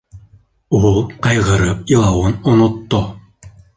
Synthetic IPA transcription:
ulˠqɑjʁɤ̆ɾɤp̚ilˠɑwɤnonot̪ːo

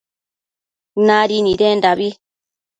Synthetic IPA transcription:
naɾinidɛndabi

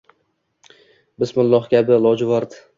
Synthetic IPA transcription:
bɪsmʊlˠːɒχkʲabɪlˠɒd͡ʒɪvaɾd̪ɪ

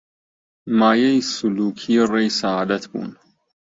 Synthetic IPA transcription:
maːjejsʊluːkʰijrejsaaːd̪at̪ʰbṵːn

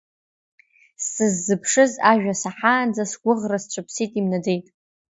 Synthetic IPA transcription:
sɨzːɨpʰʂɨzaʒᶣasaħaːnd͡zasɡʷʊʁrast͡ʃʷʰɨpʰsitʼimnade̞jtʼ

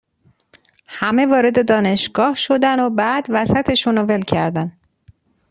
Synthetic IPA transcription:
hæmevɒːɾe̞d̪e̞d̪ɒːne̞ʃɡ̥ɒːhʃo̞d̪ænobæːd̪væsæt̪ʰe̞ʃunove̞lcʰæɾd̪æn

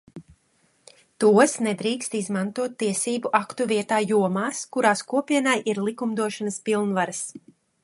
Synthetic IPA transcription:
t̪uɔsnɛd̪ɾiːkst̪izmant̪uɔt̪ːiɛsiːbuʔakt̪uviɛt̪aːjuɔmaːskuɾaːskuɔpiɛnajʔiɾlˠikumd̪uɔʃanəspilˠnvaɾas

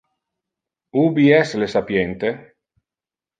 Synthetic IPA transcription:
ubiɛslesapjent̪e

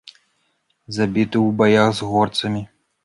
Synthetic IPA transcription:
zabʲit̪ɨwbajaɣzɣɔrt̪sɐmʲi

